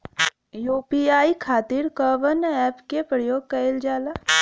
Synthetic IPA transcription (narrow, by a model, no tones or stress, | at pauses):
joːpiaːikʰaːt̪iɾkəʋənɛːpkepɾəjoːɡ̚kɐɪld͡ʒaːlaː